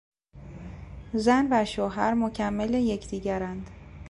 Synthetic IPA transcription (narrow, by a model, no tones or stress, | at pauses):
zænvæʃoːɦæɾmocʰæmːeleje̞cʰd̪̥iːɟæɾænd̪̥